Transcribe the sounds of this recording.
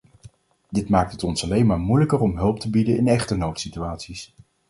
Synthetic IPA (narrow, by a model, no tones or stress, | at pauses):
d̥ɪtmaːk̚tɦətɔnsɑlejnmaːɹmujləkəɹɔmɦɵlˠp̚təbidəɪnɛχtənowtsityaːtsis